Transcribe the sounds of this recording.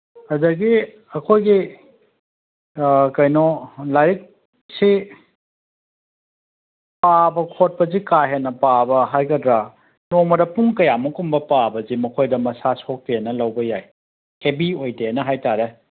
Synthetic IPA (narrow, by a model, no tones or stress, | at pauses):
ɐdɐɡi | ɐkʰojɡi | kɐjnɔlajik̚ | si | pabɐkʰot̚pɐzikaɦenɐpabɐɦajɡɐdɾa | nomɐdɐpuŋkɐjamɐkumbɐpabɐzimɐkʰojdɐmɐsasok̚teenɐlɐwbɐjaj | hebiojtenɐɦajtaɾe